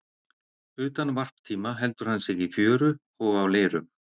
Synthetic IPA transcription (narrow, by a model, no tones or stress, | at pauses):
ʏːt̪anvar̥pt̪ʰiːmaɦɛlt̪ʏɾ̥hanːsɪɣifjœːɾʏ | ɔɣawleːɾʏm